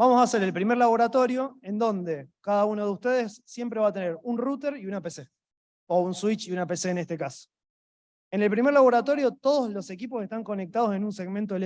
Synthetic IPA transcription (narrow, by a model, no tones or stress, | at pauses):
bamo̞saːse̞ɾe̞lpɾimeɾlaβ̞o̞ɾat̪o̞ɾjo̞e̞nd̪o̞nd̪e̞kaðaunoðeust̪e̞ð̞esːje̞mpɾe̞β̞aːt̪e̞ne̞ɾunrut̪e̞ɾiunapese | ounswit͡ʃiunapeseːnest̪ekaso̥ | ene̞lpɾimeɾlaβ̞o̞ɾat̪o̞ɾjo̞t̪o̞ð̞oslo̞se̞kipose̞ht̪aŋko̞nek̚t̪að̞o̞se̞nunse̞ɣmẽnt̪̬oele